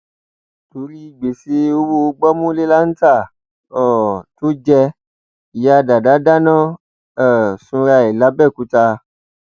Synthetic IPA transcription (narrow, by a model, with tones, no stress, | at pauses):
to˨˦ɾi˦i˦˨ɡ͡be˨˦se˨˦o˧˦wo˧ɡ͡bɔ˦mũ˦le˦la˦n̩˦ta˦˨ | ɔ˦˨to˦d͡ʒɛ˧ | i˨ja˧da˨da˨˦da˦nãː˦˨ | ɛ˨sũ˧ɾa˧i˨la˨˦bɛ˦˨ku˨˦ta˧